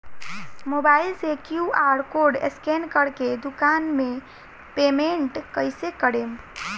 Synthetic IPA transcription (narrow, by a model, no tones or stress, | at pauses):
mobaɪlsekjuaɾkoɾɖḛskenkəɽked̪ʊkanmẽ | pemeɳʈkəɪsekəɽem